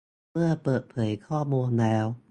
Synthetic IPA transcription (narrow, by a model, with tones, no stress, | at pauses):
ɯ˥˩əpəː˨˩t̪̚pʰə˨˩˦jkʰɔː˥˩mu˧əŋnɛː˨˧˥w